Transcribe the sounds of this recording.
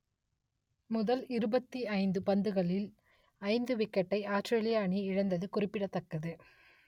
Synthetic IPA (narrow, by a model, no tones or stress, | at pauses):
mʊðɐlɪɾɯbɐt̪ːiɐɪnd̪ɯpɐnd̪ɯɣɐɭɪl | ɐɪnd̪ɯʋɪkːɐʈːɐɪaːsʈɾeːɭɪjaːɳiɪɻɐnd̪ɐðɯkʊrɪpːɪɽɐt̪ːɐkːɐðɯ